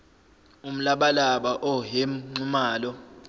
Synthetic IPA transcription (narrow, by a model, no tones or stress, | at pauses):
um̩laɓalaɓaʔɔɦem̩ŋ͡ǀumaːlɔ